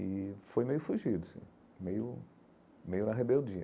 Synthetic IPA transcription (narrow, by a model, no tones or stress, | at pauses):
ɪfojmejʊfuʒid̪ʊsḭ̃ | mejʊ | mejʊnɐɦebewd͡ʒiɐ